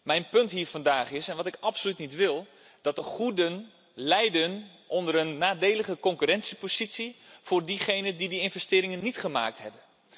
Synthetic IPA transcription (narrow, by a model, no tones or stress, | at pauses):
mɛjnpɵntɦiːɹvɑndaːχɪsɛnʋɑtɪkɑpsolytnitʋɪlˠ | d̥ɑt̚dəχudən | lɛjdən | ʔɔndəɾənːaːdejləχəkɔŋkyrɛnsipozitsiv̥ʊːɹdiχejnədidiɪnvɛstɪːɾɪŋənːitχəma̰ːk̚tɦɛbən